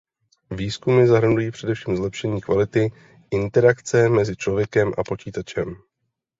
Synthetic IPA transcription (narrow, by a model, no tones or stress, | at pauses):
viːskumɪzaɦɾ̩ndujiːpr̝̥ɛdɛfʃiːmzlɛpʃɛɲiːkvalɪt̪ɪ | ʔɪnt̪ɛɾakt͡sɛmɛzɪt͡ʃlo̞vjɛkɛmʔa̰po̞t͡ʃiːt̪at͡ʃɛm